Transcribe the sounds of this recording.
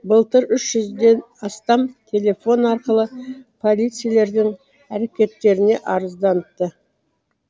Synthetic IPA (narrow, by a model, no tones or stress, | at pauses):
bəlˠt̪əɾʏʃʒʏzd̪e̞n | ɑst̪ɑmt̪ʲʰe̞lʲe̞fo̞nɑɾqəlˠəpʰo̞lʲˠijt̪sɨijale̞ɾd̪ɪŋ | æɾe̞kʲe̞t̪ːe̞ɾɪne̞ʔɑɾəzd̪ɑnət̪ːə